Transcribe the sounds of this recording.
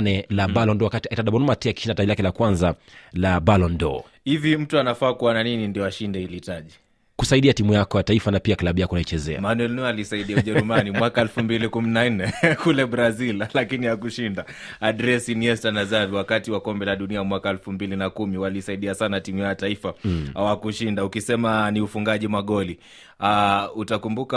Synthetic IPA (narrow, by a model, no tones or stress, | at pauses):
nɛlaɓalɔndɔwakatiaitaɗaɓɔnɔmatɛaki̥ʃindatailakɛlakwanzalabalɔndɔ̰ | hivim̩tuanafaːkuwananinindiɔaʃindɛhiliːtaʄi | kusaiɗiatimujakɔjataifanapiaklaɓujakɔunait͡ʃɛzɛ̰amanwɛlnualisaiɗiauʄɛɾumanimwakaɛlfumbilikuminan̩nɛkulɛbɾazillakiniakuʃindaaɗɾɛsiniɛstanazaviwakatiwakɔmbɛlaɗuniamwakaɛlfumbilinakumiwalisaiɗiasanatimujajataifaawakuʃindaukisɛmaniufuŋɡaʄimaɠɔli | autakumbuka